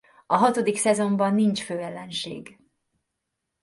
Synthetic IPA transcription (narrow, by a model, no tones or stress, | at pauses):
ɒɦɒt̪o̞d̪iksɛzo̞mbɒnːint͡ʃføːɛlːɛnʃḛːɡ